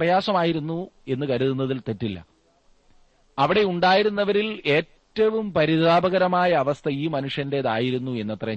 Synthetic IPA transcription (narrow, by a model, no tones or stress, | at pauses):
rɐjaːsɐmaːjiɾunːue̞nːɨkɐɾuðunːɐðilt̪e̞tːilːɐ̰ | ɐʋiɽe̞uɳɖaːjiɾunːɐʋɐɾile̞ːtːɐʋumpɐɾiðaːbɐɣɐɾɐmaːjɐːʋɐst̪ʰɐiːmɐnuʂjɐnde̞ɐðaːjiɾunːue̞nːɐt̪rɐ